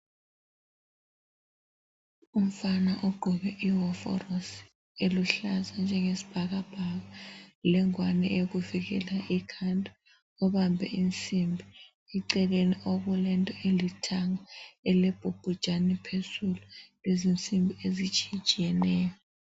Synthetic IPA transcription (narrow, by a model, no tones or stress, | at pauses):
um̩fanaʔoɡ͡ǃʱuɓɛʔiɦɔfɔ̰ros | eluɬazand͡ʒʱɛŋesi̥b̥ʱak̬ab̥ʱakalɛŋwanɛʔek̬uvik̬ɛlaʔikʰantʼa | ɔɓambʱɛ̰int͡sʼimbʱi | iǀɛleniok̬ulɛntʼɔelitʰaŋaɛlɛb̥ʱub̥ʱud̥ʒ̥ʱanipʰesulɔlezint͡sʼimbʱiezit͡ʃʼi̥t͡ʃʼijɛnɛːjɔ